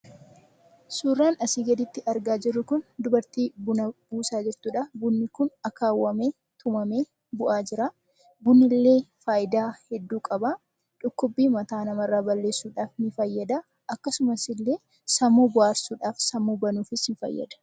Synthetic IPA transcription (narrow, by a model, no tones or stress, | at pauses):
suːrːaːnɐsiːɡɐd̪ɪt̪ːɪʔɐɾɡaːd͡ʒɪrːʊkʊnd̪ʊbɐɾt̪iːbʊnɐbuːsaːd͡ʒɪɾt̪uːᶑɐbʊnːɪkʊnɐkaːwːɐmeː | t̪ʰʊmɐmeː | bʊʔaːd͡ʒɪɾaː | bʊnːɪlːe̞ːfaːjɪd̪aːhɛd̪ːuːkʼɐba | ᶑʊkːʊbːiːmɐt̪aːnɐmɐrːaːbɐlːe̞ːsːuːᶑaːfnɪfɐjːɐd̪a | ʔɐkːɐsʊmɐsɪlːe̞ː | sɐmoːbʊʔaːɾsuːᶑaːfsɐmːoːbɐnuːfɪsɪnfɐ̰jːɐ̰d̪ɐ̥